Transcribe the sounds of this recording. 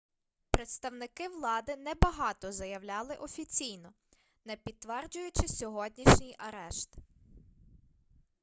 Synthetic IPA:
pɾet̪st̪ɐwnɪkɪʋlˠɑd̪ɪnɛbɐɦɑt̪ɔzɐjɐʋlʲɑlˠɪʔɔfʲit͡sʲijnɔ | nɛpʲid̪̚t̪ːʋɛrd͡ʒʊjʊt͡ʃɪsʲɔɦɔdʲnʲiʃnʲijʔɐɾɛʃt̪

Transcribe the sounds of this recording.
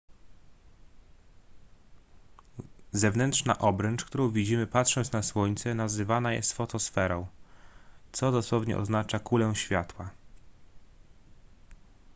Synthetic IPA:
zɛvnɛnt̪ʂna̰ʔɔbɾɛnt͡ʂkt̪uɾɔ̃w̃vʲid͡ʑimɘpat̪ʂɔnt̪snaswɔɲt̪sɛnazɘvanajɛ̰st̪fɔt̪ɔsfɛɾɔ̃w̃ | t̪sɔd̪ɔswɔvɲɛ̰ʔɔ̰znat͡ʂakulɛw̃ɕfʲjat̪wa

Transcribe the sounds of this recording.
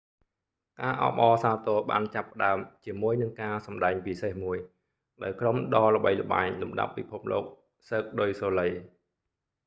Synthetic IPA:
kaːʔɑ̰ɓɑːsaːt̪oəɓa̰ːnt͡ɕapːə̆ɗaəmt͡ɕiəmuəjnɨŋkaːsɑmɗaɛŋpisehmuəj | ɗaɔjkromɗɑːlə̆ɓəjlə̆ɓa̰ɛɲlumɗa̰pːipʰup̚lo̰ːk̚ | səːk̚ɗojsoːləj

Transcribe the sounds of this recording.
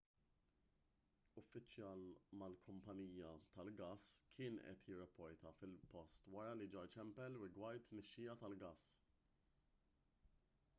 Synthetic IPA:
ʊfːɪt͡ʃjɐːlmɐlkʰʊmpɐniːjɐt̪ɐlɡɐːskʰɪːnʔɛ̰t̪jɪrːɐpːɔɾt̪ɐfɪlpɔst̪wɐɾɐlid͡ʒɔɾt͡ʃɛmpɛlɾɪɡwɐɾt̪ːnɛʃːɪjɐt̪ɐlɡɐːs

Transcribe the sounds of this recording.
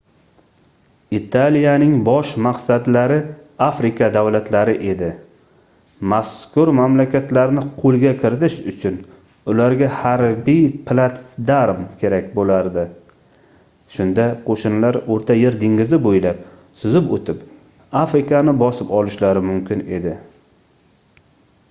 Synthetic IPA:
it̪ʰalijanɪŋbɒʃmaqsad̪laɾɪafɾɪkad̪awlat̪ʰlaɾɪʔe̞d̪ɪ | maskʰʊɾmamlakʲʰat̪laɾnɪqʰolˠɡʲakʲʰɪɾɪt̪ɪʃʊt͡ʃʰʊn | ʊlaɾɡʲahaɾbijpʰlˠat̪d̪aɾmkʲʰe̞ɾakʲbolaɾd̪ɪ | ʃʊnd̪aqʰoʃʊnlaɾoɾt̪ʰajeɾd̪ɪŋɡʲɪzɪbojlap̚ | sʊzɪpot̪ʰɪp | afɾɪkanɪbɒsɪpɒlˠɪʃlaɾɪmʊmkʲɪne̞d̪ɪ

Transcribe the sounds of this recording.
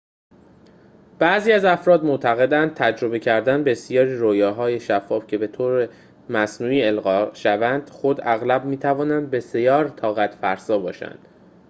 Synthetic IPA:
b̥æːziːæzæfɾɒːd̪mot̪ʰæɣe̞d̪ænd̪̚t̪ʰæd͡ʒɾo̞be̞cʰæɾd̪ænbe̞sijɒːɾiːɾoːjɒːɦɒːje̞ʃæfːɒːfcʰe̞be̞t̪ʰoːɾe | mæsnuːiːe̞lɣɒːʃævænd̪̥xod̪æɣlæb̚miːt̪ʰævɒːnænd̪̚be̞se̞jɒːɾt̪ʰɒːɣæt̪ʰfæɾsɒːbɒːʃæ̰nd̪̥

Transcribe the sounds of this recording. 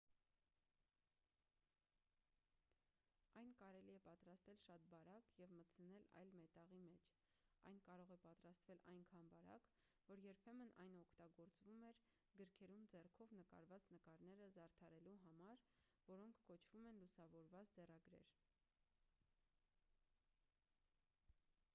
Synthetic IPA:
ɑjnkɑɾɛliɛpɑt̪ɾɑst̪ɛlʃɑt̪̚bɑɾɑkjɛvmət͡sʰənɛlɑ̰jlmɛt̪ɑʁimɛt͡ʃʰ | ɑ̰jnkɑɾɔʁɛpɑt̪ɾɑst̪vɛlɑ̰jnkʰɑnbɑɾɑ̰k | vɔɾjɛɾpʰɛmənʔɑjnɔkʰt̪ɑɡɔɾt͡svumɛɾ | ɡəɾkʰɛɾumd͡zɛrkʰɔvnəkɑ̰ɾvɑt͡snəkɑɾnɛɾəzɑɾt̪ʰɑɾɛluɦɑmɑɾ | vɔɾɔŋkʰːɔt͡ʃʰv̥umɛnlusɑvɔɾvɑt͡sd͡zɛrɑɡɾɛ̰ɾ

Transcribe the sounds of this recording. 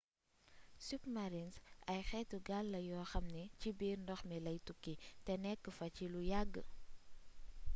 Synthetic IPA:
sypmɐɾinsʔɐjxɛtuɡalːɐjɔːxɐmnɛcibiːrndɔxmilɐjtukːitɛnɛkːəfɐcilujaɡːə

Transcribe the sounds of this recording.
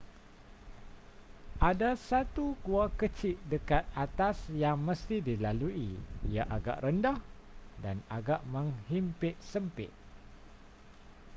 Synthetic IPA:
ʔadasat̪uɡuakət͡ʃɪʔdəkat̪̚at̪asjaŋməst̪idilaluiijaʔaɡa̰ʔrəndah | danaɡaʔmə̃ŋhimpɪʔ̪̚səmpɪ̰ʔ̪̚

